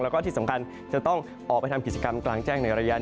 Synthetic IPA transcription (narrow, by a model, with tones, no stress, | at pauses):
lɛː˦˥wkɔː˥˩t̪i˥˩sa˩˦mkʰa˧n | t͡ɕa˨˩t̪ɔ˥˩ŋ | ʔɔː˨˩pa˧jt̪ʰmki˨˩t͡ɕa˧ka˧mklaː˧ŋt͡ɕɛː˥˩ŋna˧jɾa˧ja˦˥ʔ